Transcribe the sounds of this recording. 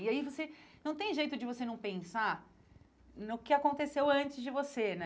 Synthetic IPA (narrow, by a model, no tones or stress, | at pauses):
iaivosenɐ̃w̃t̪ẽj̃ʒejt̪ʊd͡ʒɪvosenɐ̃w̃pẽsa | nʊkɪakõnt̪esewɐ̃t͡ʃɪzd͡ʒɪvosenɛ